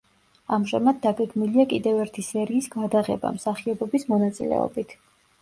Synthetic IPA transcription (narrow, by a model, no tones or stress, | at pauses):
amʒamad̪̚ːaɡɛɡmiliakʼid̪ɛvɛɾt̪ʰisɛɾiːsɡad̪aʁɛ̰ba̰msaχiɔbɔbismɔnat̪sʼḭlɛ̰ɔ̰bit̪ʰ